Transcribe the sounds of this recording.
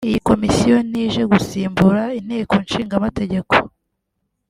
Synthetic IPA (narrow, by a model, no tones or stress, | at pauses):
ijiko̞misijo̞niːʒe̞ɡusiːmbuɾain̥eːko̞nʃiːŋɡamate̞ɟe̞ko̞̥